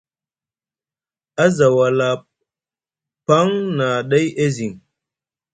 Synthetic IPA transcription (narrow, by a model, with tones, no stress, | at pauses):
a˦za˨wa˨la˨ | pa˦ŋna˨ɗa˦jʔe˦zi˨ŋ